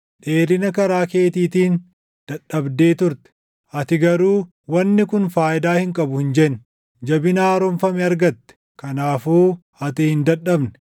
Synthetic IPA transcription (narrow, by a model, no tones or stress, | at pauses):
ᶑe̞ːɾɪnɐkɐɾaːke̞ːt̪iːt̪iːn | d̪̥ɐᶑɐbd̪eːt̪ʊɾt̪ɛ̥ | ʔɐt̪ɪɡɐɾuː | wɐnːɪkʊnfaːjɪd̪aːhɪŋkʼɐbʊhɪnd͡ʒɛnː | d͡ʒɐbɪnaːɾɔmfɐmɛɐɾɡɐt̪ːɛ̥ | kɐnaːfuː | ɐt̪ɪhɪnd̪ɐᶑɐbnɛ̥